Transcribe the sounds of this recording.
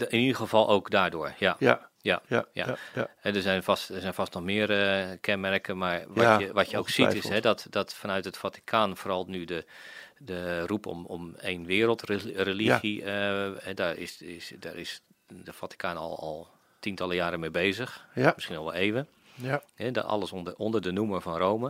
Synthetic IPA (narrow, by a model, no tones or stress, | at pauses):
ɪnidəxəvɑlˠʔowkdaːɹdʊːɹjajaja̰hɛdəzɛjnfɔstdəzɛjnfastnɔxmɪːərəkʰɛnmɛrkənmaɹʋɔəʋɔtjəo̰wksitɪsɦɛdɔtdɔtfanœɥtətfati̥kʰanfoːɾɑlˠnydə | dərupʰɔ̰mɔmeːnʋɪːəɾəlˠtrelixiəɛdaɹɪsɪsdarɪs | dəfati̥kʰaːnɔ̰lˠɔ̰lˠ | tintɑlˠəjaːɾəmeːbeːzəxmɪsxinɔlˠʋɛlˠeːvə | ɛdɔɑ̰lˠəsndəɔndərdənuməfɔnrowmə